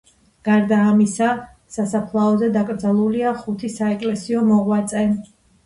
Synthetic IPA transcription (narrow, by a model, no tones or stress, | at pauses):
ɡ̥aɾd̪aːmisa | sasapʰlˠaɔzɛd̪akʼɾd̪zɛlˠuliaχut̪ʰisaɛkʼlɛsiɔmɔʁwat̪sʼɛ